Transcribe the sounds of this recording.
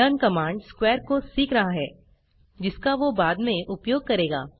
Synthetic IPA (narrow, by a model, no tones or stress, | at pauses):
ənkɐmãːɳɖskwɛːɾkosiːkɾɐɦaɦɛː | d͡ʒɪskaʋobaːd̪mẽʔʊpjoːɡ̚kɐɾeːɡa̰ː